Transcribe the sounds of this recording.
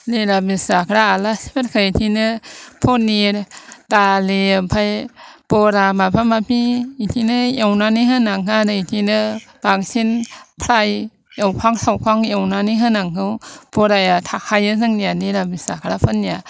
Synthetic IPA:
lelamisakʰɾaːlasibatkʰɯitʰinɯpʰoniɾtalepʰajpɔɾamapʰamapiitʰinɯjawnaniɦɯnaŋadɯitʰinɯb̥aŋsinpʰɾaj | jawpʰaŋsawkʰaŋjewnaniɦɯnaŋɦɯwbɔɾajatʰahʰajɯzɯŋnijanelamisakʰɾapʰɯnːija

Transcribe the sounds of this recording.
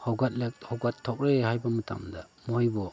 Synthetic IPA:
hɔwɡat̚lek̚hɔwɡatʰːɔk̚ɾehajbamɯtʰa̰mda | mojbɔ

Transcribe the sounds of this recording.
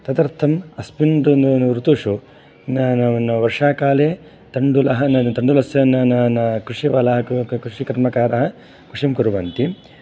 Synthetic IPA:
t̪ɐt̪ɐɾt̪ʰɐmɐspinɖunnɾut̪uʂu | nɐnɐnɐʋɐɾʂaːkaːleː | t̪ɐɳɖulɐɦɐnɐt̪ɐɳɖulɐsjɐnɐnɐnɐkɾuʂiʋɐlɐɦɐkɾuʂikɐɾmɐkaːɾɐɦɐ | kɾuʂimkuɾuʋɐnt̪i

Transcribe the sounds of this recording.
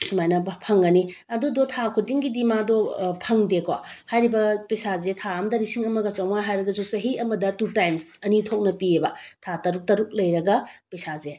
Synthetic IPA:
sumajnɐpʰɐŋɡɐniɐdudotʰakʰudiŋɡidimadopʰɐŋdekohajɾibɐpesazetʰaɐmdɐɾisiŋɐmɐɡɐt͡ʃɐwmaɦajɾɐɡɐd͡ʒosɐɦiɐmɐdɐtutajmsɐnitʰok̚nɐpiebɐtʰatɐɾuk̚tɐɾuk̚lɐjɾɐɡɐpesaze

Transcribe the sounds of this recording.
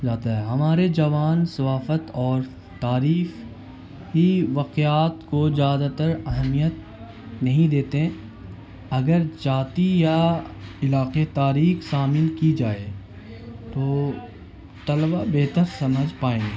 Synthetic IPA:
d͡ʒaːt̪aɦɛɦɐmaːɾed͡ʒɐʋaːnsɐʋaːfət̪ɔːɾ | t̪aːɾiːf | ɦiʋaqejaːt̪kozjaːd̪at̪əɾɐɦmijət̪̚ | nɐɦĩd̪eːt̪eɦɛ̃ | ɐɡəɾd͡ʒaːt̪ijaɪlaːqet̪aːɾiːxsaːmɪnkid͡ʒaːe | t̪oː | t̪ɐlbabeːt̪əɾsɐməd͡ʒpaːẽːɡeː

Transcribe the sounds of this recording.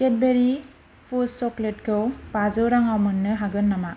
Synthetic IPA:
ket̚beɾi | pʰusɔklet̚kʰɯwpazɯwɾaŋawmɯnːɯɦaɡɯnːama

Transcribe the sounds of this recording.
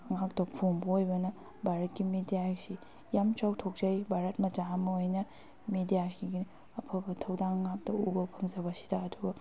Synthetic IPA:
ɐŋak̚tɐpʰoŋbɐojbɐnɐ | bʱaɾɐt̚kimidijasi | jamt͡ʃawtʰok̚zajbʱaɾɐt̚mɐd͡ʒamɐojnɐ | medijaɡiɡi | ɐpʰɐbɐtʰɐwdaŋɐŋak̚tɐuɡɐpʰɐŋzɐβɐsi̥dɐːduɡɐ

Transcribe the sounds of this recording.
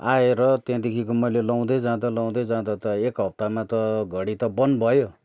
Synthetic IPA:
aeɾʌt̪jãd̪ekʰikomʌjlelaw̃d̪ʌd͡zãd̪ʌlaw̃d̪ʌd͡zãd̪ʌt̪ʌekɦʌp̚t̪amat̪ʌɡʱʌɽit̪ʌbʌnbʱʌjo

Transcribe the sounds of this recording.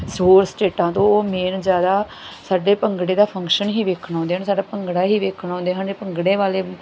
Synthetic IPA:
soːɾsʈeːʈãːt̪õːoːmeːnzjaːd̪aː | saːɖeːpəŋɡɽeːd̪aːpʰəŋkʃənɦiːʋeːkʰɳɔ̃ːnd̪eːansaːɖaːpəŋɡɽaːɦiːʋeːkʰɳɔ̃ːnd̪eːɦand͡ʒeːpəŋɡɽeːʋaːleː

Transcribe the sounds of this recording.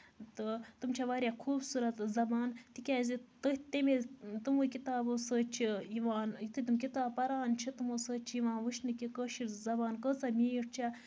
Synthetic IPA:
t̪ɨt̪umt͡ʃʰaʋaːɾʲjakʰuːbsuɾɐt̪zɐbaːnt̪ikʲaːzit̪ɨt̪emet̪umukit̪aːbosət͡ʃʰijiʋaːnjit̪ʰɨt̪umk̬it̪aːb̚pːɐɾaːnt͡ʃʰit̪umosəːt͡ʃʰijiʋaːnʋɨʃnɨkʲikəʃiɾzɐbaːnkəːt͡sɐmʲiːʈt͡ʃʰa

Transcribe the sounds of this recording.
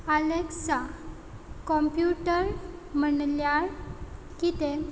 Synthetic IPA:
aleksa | kɔmpjuʈəɾm̤əɳljaɾ | kit̪e

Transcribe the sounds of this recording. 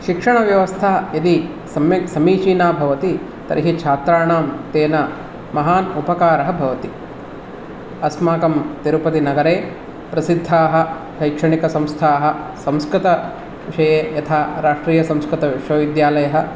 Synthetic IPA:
ʃikʂɐɳɐʋjɐʋɐst̪ʰaɐjɐd̪i | sɐmɐsɐmiːʃiːnaːbʱɐʋɐt̪i | t̪ɐ̰ɾʔiɦit͡ʃʰaːt̪ɾaːɳaːmt̪eːnɐ | mɐɦaːnupɐkaːɾɐɦɐbʱɐʋɐt̪i | ɐsmaːkɐmt̪iɾupɐt̪inɐɡɐɾeː | pɾɐsid̪ʱːaːɦɐ̆ | ʃɐjkʂɐɳikɐsɐ̃mst̪ʰaːɦɐ̆sɐ̃mskɾɪt̪ɐ | ʋiʂɐjeːjɐt̪ʰaːɾaːʂʈɾiːjɐsɐ̃mskɾɪt̪ɐʋiʂoːʋid̪jaːlɐjɐɦɐ̆

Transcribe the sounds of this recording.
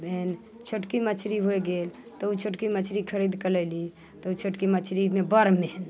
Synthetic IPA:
bʱen | t͡ʃʰoʈkimət͡ʃʰɾiɦojɡel | t̪ɔut͡ʃʰoʈkimət͡ʃʰɾikʰəɾid̪kəlɛli | t̪ɔut͡ʃʰoʈkimət͡ʃʰɾimebəɾmen

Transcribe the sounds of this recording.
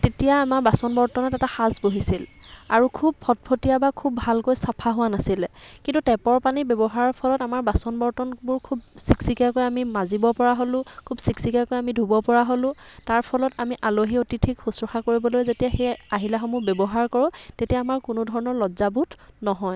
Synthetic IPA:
tetijaːmaɹbasɔnbɔɹtɔnɔtɛtaxasboɦisila̰ɹukʰub̚pʰɔt̚pʰotijabakʰubːʱalkojsapʰaɦʊwanasilɛkintutɛpɔɹpanibɛbɔɦaɹɔɹpʰɔlɔtamaɹbasɔnbɔɹtɔnbʊɹkʰubsiksikakojamimazibɔpɔɹaɦolʊ̃kʰubsiksikakojamidʱubɔpɔɹaɦolʊ̃taɹpʰɔlɔtamiʔaloɦiotitʰikxusɹɔxakoɹibɔlojzetijaxejaɦilaxɔmubebɔɦaɹkɔɹʊ̃tetijaːmaɹkʊnʊdʱɔɹɔnɔɹlɔzabutnɔɦɔj

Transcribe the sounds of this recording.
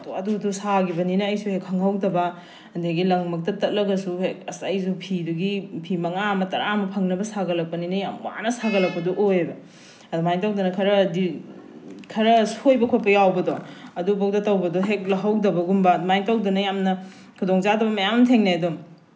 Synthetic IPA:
duɐdudusaɡibɐninɐːjsuhekhɐŋɦɐwdɐbɐ | ɐndeɡilɐŋmɐk̚tɐtɐt̚lɐɡɐsuhek̚ɐsajsupʰiduɡipʰimɐŋaɐmɐtɐɾamɐpʰɐŋnɐbɐsaɡɐlɐk̚pɐninɐjamwa̰nɐsaɡɐlɐk̚pɐdɔʔojbɐ | ɐdumajŋtɐwdɐnɐkʰɐɾɐdi | kʰɐɾɐsojbɐkʰot̚pɐjawbɐdɔɐdubɐk̚tɐtɐwbɐdɔɦek̚lɐɦɐwdɐbɐɡumbɐmajŋtɐwdɐnɐjamnɐ | kʰudoŋzadɐbɐmɐjamntʰeŋnaɐdo

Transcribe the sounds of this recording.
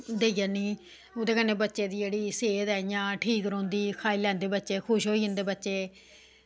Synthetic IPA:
d̪eːijaːniː | od̪eːkənːeːbətːʃeːd̪iːd͡ʒeːɽiːseːt̪ɛːjãːʈʰiːkɾõːnd̪iːkʰaːiːlɛ̃ːnd̪eːbətːʃeːkʰʊʃɦoːiːənd̪eːbətːʃeː

